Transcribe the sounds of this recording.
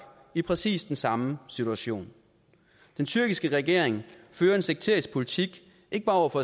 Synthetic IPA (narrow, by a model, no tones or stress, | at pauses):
ipʰʁɛsḭːsd̥ensɑ̈məsit͡sʰuæɕo̝̰ːn | d̥ent͡sʰyɐɡ̥isɡ̥əʁɛɡ̥e̝ɐ̰eŋføːɐe̝nseɡ̥t͡sʰe̝ɐisɡ̥̚pʰo̝lit͡sʰiɡ̥ | e̝ɡ̥əb̥ɑ̈ːɒ̰ɔ̰ʊɐfɒ̽